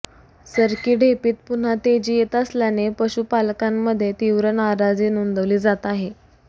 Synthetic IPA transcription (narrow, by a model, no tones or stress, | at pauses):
səɾkiːɖepiːt̪̚pun̤at̪ed͡ʑiːjet̪əsljanepəɕupalkamːəd̪ʱːjet̪iʋɾənaɾad͡ziːnund̪əʋliːd͡zat̪aɦe